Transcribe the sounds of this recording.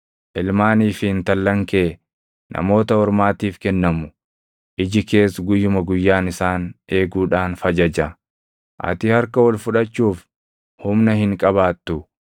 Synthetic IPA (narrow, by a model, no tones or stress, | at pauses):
ʔɪlmaːniːfɪɪnt̪ɐlːɐŋke̞ː | nʔɐ̰mo̞ːt̪ɐɔɾmaːt̪iːfkɛnːɐmʊ | ʔɪd͡ʒɪke̞ːsɡʊjːʊmɐɡʊjːaːnɪsaːnʔe̞ːɡuːᶑaːnfɐd͡ʒɐd͡ʒɐ | ʔɐ̰t̪ɪhɐɾkɐwɔlfʊᶑɐt͡ʃːuːf | hʊmnɐhɪŋkʼɐβaːt̪ːʊ